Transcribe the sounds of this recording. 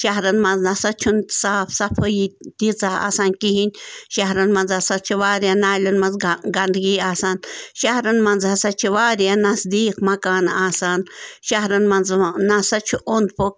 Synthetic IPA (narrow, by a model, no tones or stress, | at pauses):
ʃaɦɾɐnmɐnznɐsɐt͡ʃʰunsaːfsapʰəjit̪it͡saa̰ːsaːnkiɦinʲʃaɦɾɐnmɐnzasɐt͡ʃʰuʋaːɾjanaːlʲunmɐnzɡɐnd̪ɡiːaːsaːnʃahɾɐnmɐnzhasat͡ʃʰiʋaːɾjanɐsd̪iːqmɐkaːnaːsaːnʃaɦɾɐnmɐnznasat͡ʃʰuʔond̪pok